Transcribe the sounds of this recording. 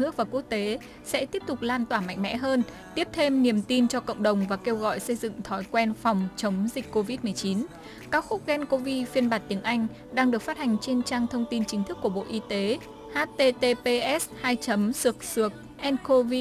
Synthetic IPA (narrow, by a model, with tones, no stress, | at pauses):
nɨ˦˥ək̚vaː˨˩ku˦˥ək̚t̪e˨˦ | sɛ̰˧˥t̪i˦˥əp̚t̪ʊ˨˩k͡p̚laː˧nt̪waː˧˩ma̰˧˨jŋ̟mɛ̰˧˥ɦəː˧n | t̪i˦˥əp̚t̪ʰe˧mni˨˩əmt̪i˧nt͡ɕɔ˧kə̰˧˨wŋ͡mɗə˨˩wŋ͡mvaː˨˩ke˧wɣɔ̰˧˨jsə˧jzɨ̰˧˨ŋt̪ʰɔ˨˦jkwɛ˧nfa˨˩wŋ͡mt͡ɕə˨˦wŋ͡mzï˨˩k̟ko˧vi˦˥t̚mɨ˨˩əjt͡ɕi˨˦n | kaː˦˥k̚xʊ˦˥k͡p̚ɣɛ˧nko˧vi˧fi˧ənɓaː˨˩t̚t̪i˨˦əŋʔa˧jŋ̟ | ɗaː˧ŋɗɨ˨˩ək̚faː˦˥t̚ha˨˩jŋ̟t͡ɕe˧nt͡ɕaː˧ŋt̪ʰə˧wŋ͡mt̪i˧nt͡ɕï˨˦ŋt̪ʰɨ˦˥kːu˧˩əɓo̰˧˨ʔi˧t̪e˨˦ | haː˦˥t̪e˧t̪e˧pe˧ʔɛ˦˥shaː˧jt͡ɕə˨˦msɨ˨˩ək̚sɨ˨˩ək̚ | ʔɛ˧nko˧vi˧